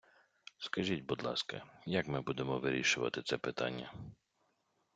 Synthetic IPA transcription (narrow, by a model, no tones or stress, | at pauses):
skɐʒitʲbud̪lˠɑ̰skɐ̰jɐkmɪbud̪emɔʋɪɾʲiʃʊʋɐ̰t̪ɪt̪sɛpɪt̪ɑ̰nʲːɐ̰